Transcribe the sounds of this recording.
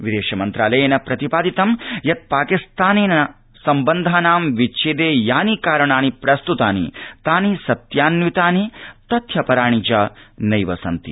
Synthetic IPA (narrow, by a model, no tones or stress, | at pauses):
ʋid̪eːʃɐmɐnt̪ɾaːlɐjeːnɐpɾɐt̪ipaːd̪it̪ɐmjɐt̪̚paːkist̪ʰaːneːnɐɐ | sɐmbɐnd̪ʱaːnaːmʋit͡ʃʰeːd̪eːjaːnikaːɾɐɳaːnipɾɐst̪ut̪aːnḭt̪aːnisɐt̪jaːnʋit̪aːnit̪ɐt̪ʰjɐpɐɾaːɳ̃it͡ʃaːnɐjʋɐsɐnt̪ḭ